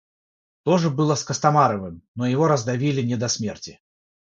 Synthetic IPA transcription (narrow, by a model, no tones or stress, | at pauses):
t̪oʐɨbɨlˠəskəst̪ɐmaɾəvɨmnojɪvoɾəzd̪ɐvʲilʲɪnʲɛd̪ɐsmʲertʲɪ